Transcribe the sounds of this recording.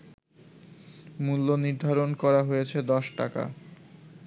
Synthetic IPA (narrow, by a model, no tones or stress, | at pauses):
mulːoniɾd̪ʱaɾonkɔɾaɦojet͡ɕʰed̪ɔʃʈa̰ka̰